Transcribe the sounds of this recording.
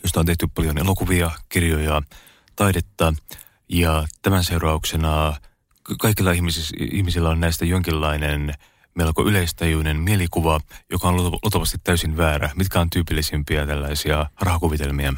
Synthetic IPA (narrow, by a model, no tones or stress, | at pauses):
jost̪æont̪e̞ht̪ypɑljonelo̞kuʋiɑkirjojɑ | t̪ɑidet̪ːɑ | jɑt̪æmænse̞urɑuksenɑ | kɑikilːɑihmisḭhmisilːæonnæist̪æjoŋkilːɑinen | melko̰ʔyleist̪ɑjuːnenmielikuʋɑjo̞kɑonlut̪ɑʋɑst̪it̪tːæysinʋæːɾæmit̪kæont̪yːpilːisempiæt̪ælːæisiɑrɑhɑkuʋit̪e̞lmiæ